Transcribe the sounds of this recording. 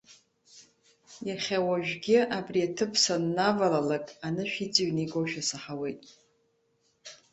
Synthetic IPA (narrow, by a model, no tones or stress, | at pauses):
jaχʲawaʒᶣɡʲɪabriatʰɨpʰsanːavalalakʼanɨʃᶣit͡sʼɨɥneɡoʃᶣasaħawejtʼ